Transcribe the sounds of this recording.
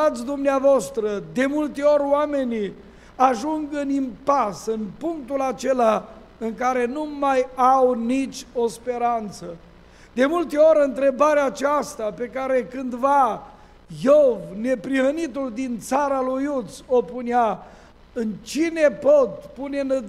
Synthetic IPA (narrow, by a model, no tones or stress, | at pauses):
at̪sʲd̪umneavast̪ɾəd̪e̞mult̪e̞o̞ɾʲoame̞ni | aʒuŋɡɨnimpasɨnpuŋk̚t̪ulat͡ʃe̞la | ɨŋkaɾe̞numajawnit͡ʃʲo̞spe̞ɾant̪sə | d̪e̞mult̪e̞o̞ɾʲɨnt̪ɾe̞baɾeaːt͡ʃast̪ape̞kaɾe̞kɨnd̪va | jovne̞pɾihənit̪uld̪int̪saɾalujut̪so̞punea | ɨnt͡ʃine̞pot̪̚pune̞nə